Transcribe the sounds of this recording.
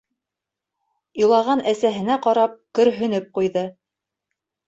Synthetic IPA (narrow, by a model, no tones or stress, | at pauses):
ilˠɑʁɑnʔæsæɦɘ̆næqɑɾɑp̚kɵ̆ɾɦɵ̆nɘp̚qujðɤ